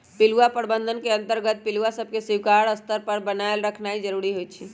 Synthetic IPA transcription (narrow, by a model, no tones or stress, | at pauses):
pɪluapəɾbənd̪ʱənkeə̃nt̪əɾɡət̪̚pɪluasəb̚ʱkesiwkaɾəst̪əɾpəɾbənaelɾəkʰnaid͡ʒəɾuɾiɦojt͡ʃʰi